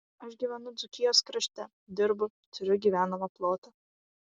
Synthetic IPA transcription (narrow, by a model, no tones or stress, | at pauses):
ɐʃɡʲiːʋʲɛnʊd̪zʊkʲɪjoːskɾɐʃʲt̪ʲɛ | d̪ʲɪɾbʊ | t̪ʊɾʲʊɡʲiːʋʲæːnɐmɐplˠoːt̪ɐ